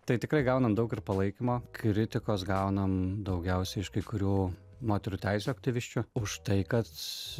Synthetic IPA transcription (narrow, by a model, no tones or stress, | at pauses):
t̪ɐɪt̪ʲɪkɾɐɪɡɐʊnɐmd̪ɐʊkɪrpɐlˠɐɪkʲimoːkɾʲɪt̪ʲɪkoːsɡɐʊnɐmd̪ɐʊɡʲɛʊsʲɛɪɪʃkɐɪkʊɾʲuː | moːt̪ʲɛɾuːt̪ʲæɪsʲuːɐk̚t̪ʲɪʋʲɪʃʲt͡ʃʲʊʊʃt̪ɐɪkɐt̪